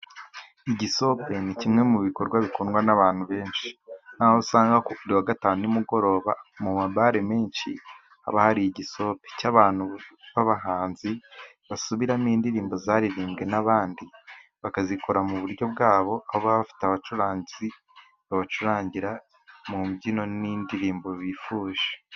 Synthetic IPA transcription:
iɟiso̞pe̞nicimŋe̞muβiko̞ɾɡwaβikonɡwanaβaːn̥huβe̞ːnʃi̥n̥aːhosaːŋɡakouɾiwaɡataːnuumuɡo̞ɾo̞ːβa̰mumaβaɾemeːnʃi | ha̰βahaɾijiɟiso̞pe̥caβaːn̥huβaβaɦaːnzi | βasuβiɾamiːndiɾiːmbo̞zaːɾiɾiːmɡe̞naβaːndiβakazikʰo̞ɾamuβuɾɟjo̞b̚ɡaːβo̞ʔahoβaβafi̥taβat͡ʃuɾaːɲɟizi | βaβat͡ʃuɾaːɲɟiɾa | mubɟino̞niːndiɾiːmbo̞βifuːʒe

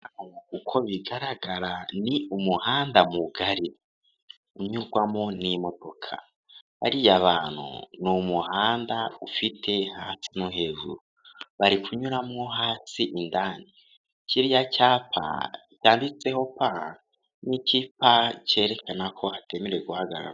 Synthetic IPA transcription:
ahomakukʰo̞βiɡaɾaɡaɾaniumuhaːndamuɡaɾi | uɲuɡwamŋo̞nimo̞do̞kʰa̰ | βa̰ɾijaβaːn̥hṵnumuhaːndaufitʰe̞haːsinoɦe̞ʒṵɾu | βaɾikuɲuɾamŋo̞ɦaːsiʔindani | ciɾijacaːpʰa̰ | caːndit͡se̞ho̞pa | nicipace̞ːɾe̞kʰanakʰo̞hatemeɾeɡuhaɡa̰ɾa̰

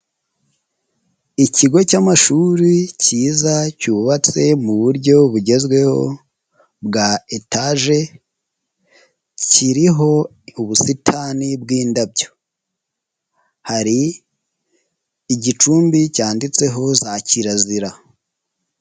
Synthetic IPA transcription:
iciɡo̞camaʃuɾiciːzacuːβat͡se̞muβuɾɟo̞βuɟe̞zɡwe̞ho̞̰ | bɡaetaʒe̞ | ciɾiɦo̞ | uβusitʰanib̚ɡiːndabɟo̞ | haɾi | ɟit͡ʃuːmbicaːndit͡se̞ɦo̞zaciɾaziɾa

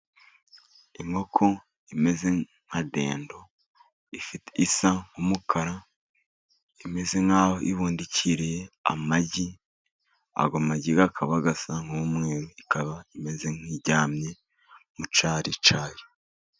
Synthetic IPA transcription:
iŋo̞kʰo | ime̞ze̞ | ŋ̥ade̞̰ːndo̞ | ifiteʔisaŋumukʰaɾa | ime̞ze̞ŋhaːhoʔiβuːndiciɾejea̰maɟi | a̰ɡomaɟiɡakʰaβaɡasaŋ̥umŋe̞ːɾoikaβaime̞ze̞ŋ̥iɟaːmɲe̞ | mut͡ʃaːɾit͡ʃaːje

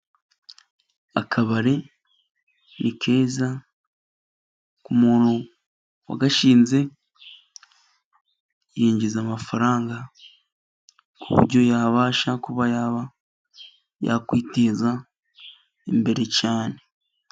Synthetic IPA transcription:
a̰kʰaβaɾe | nikʰe̞ːza | kumoːɾo | wa̰ɡaʃiːnze̞ | jeːɲɟizamafaɾaːŋɡa | kʰuβṵɾɟo̞jaːβaːʃakuβajaβa | ja̰kwiːte̞za | embe̞ɾe̞caːne

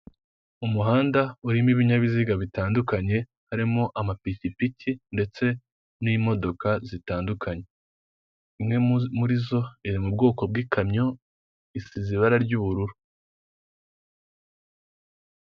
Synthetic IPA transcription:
umuɦaːndauɾimiβiɲaβiziɡaβitaːndukaɲe̞ | haɾimoʔamapitipitinde̞t͡se̞ | niːmo̞do̞kazitaːndukʰaɲe̞ | imŋe̞muɾizo̞iɾimub̚ɡo̞ːko̞b̚ɡiːkʰamɲo̞ | isiziβaɾaɾɟuːβuɾuɾu

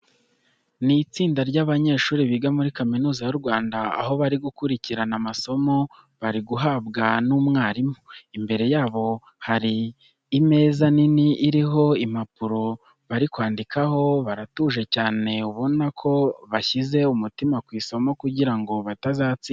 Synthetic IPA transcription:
nit͡siːndaɾɟaβaɲe̞ːʃuːɾiβiɡamuɾikaminuːzajuɾɡwaːndaa̰ɦo̞βaɾiɡukuɾiciɾanamaso̞mo̞ | βaɾiɡuɦaːbɡanuːmŋaːɾimuimbe̞ɾe̞jaːβo̞ | haɾiː | me̞ːzaniniʔːɾiɦo̞imapuɾo̞ | βaɾikwaːndikʰaho̞βaɾatuʒe̞caːne̞uβo̞nakʰo̞βaçize̞umutimakwiːso̞mo̞kuɟiɾaŋɡo̞βatazaːt͡siː

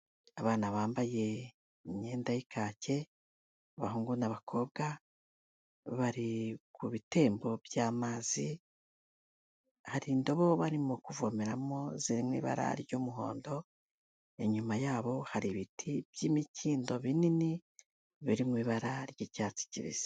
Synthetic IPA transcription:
aβaːnaβaːmbaje̞ | ɲe̞ːndajikʰaːce̞ | βahuːŋɡunaβakʰo̞βɡa | βaɾikuβite̞ːmbo̞bjaːmaːzi | haɾiːndo̞βo̞βaɾimukuvo̞meɾamo̞ziɾimwḭːβa̰ɾa̰ɾɟoːmuɦo̞̰ːndo̞ | eɲumajaːβo̞haɾiβitʰibjiːmiciːndo̞βinini | βiɾimŋwiːβaɾaɾɟicaːt͡si̥cḭβḭz̥e̥

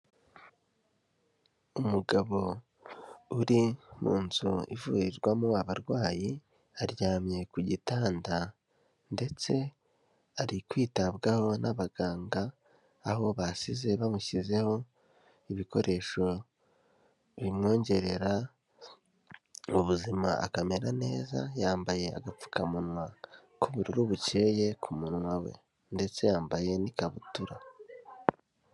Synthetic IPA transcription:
umuɡaβo̞ | uɾimṵːnzuḭvṵɾiɾɡwamuwaβaɾɡwaːji | aɾjaːmje̞kuɟitaːnda | nde̞t͡se̞ | aɾikwiːtabɡaho̞nʔaβaɡaːŋɡaː | ɦo̞βasize̞βamuçize̞ho̞ | iβiko̞̰ɾʔe̞ʃo̞ | βimŋo̞ːɲɟe̞ɾe̞ɾa | uβuzima̰a̰kame̞ɾane̞ːza̰jaːmbaje̞a̰ɡap͡fu̥kamunwa | kuβuɾiɾuβuce̞je̞kʰumunwawe̞̰ | nde̞t͡se̞jaːmbaje̞nikaβutuɾa

